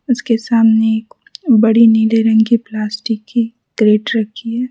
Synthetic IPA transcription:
ʊskesaːmneeːk | bɐɽiniːleɾɐ̃ŋɡiplaːsʈɪkːi | ɡɾeːɖɾɐkʰiɦɛː

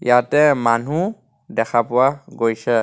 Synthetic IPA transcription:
jatɛmanu | dɛkʰapʊwaɡojsɛ

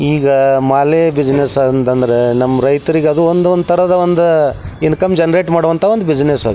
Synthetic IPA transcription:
iːɡɐmaːlebid͡ʒnesɐnt̪ɐnd̪ɐɾenɐmːɐɾɐjt̪ɐɾiɡeɐd̪uond̪uond̪t̪ʰɐɾɐd̪ɐond̪uinkɐmd͡ʒɐnɐɾeːʈmaːɽuʋɐnt̪ʰaʋod̪ubid͡ʒnesɐd̪

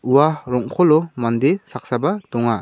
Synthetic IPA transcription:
uwaɾɔŋkʰɔlɔmandesak̚sabadɔŋa

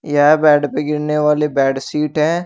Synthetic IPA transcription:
jaɦbɛːɖpeɡɪɽneʋaːlebɛːɖsiːʈɦɛ̃ː

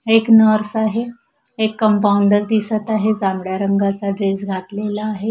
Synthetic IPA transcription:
eknəɾsaɦe | ekːəmpauɳɖəɾd̪isət̪aɦed͡zamɽjaɾəŋɡat͡saɖɾesɡʱat̪lelaːɦe

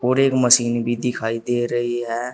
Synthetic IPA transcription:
oːɾeːkməsiːnbʱid̪ɪkʰaːid̪eːɾɐɦiɦɛː

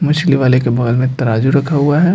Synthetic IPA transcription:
mʊʃliʋaːlekebɐɡəlmẽt̪ɐɾaːd͡ʒuɾɐkʰaɦuaɦɛ

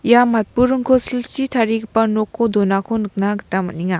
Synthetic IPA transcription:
ijamat̚puɾuŋkʰosilt͡ʃitʰaɾikpɐnokʰːodonakʰonɯk̚naɡtamɐ̰niŋa

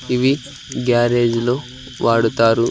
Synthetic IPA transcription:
iʋi | ɡjaːɾeːd͡ʒloː | ʋʔaːɽut̪aːɾu

